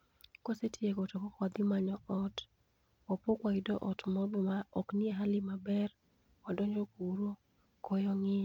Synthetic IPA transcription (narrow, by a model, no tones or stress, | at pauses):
kɔsetʰjekɔtɔkɔkwad̪ɪmaɲɔɔt | ɔpokwaidɔʔɔtmɔbɔmaɔknieɦalɪmabɛr | ɔdɔɲd͡ʒokuɾo | kɔjɔŋɪ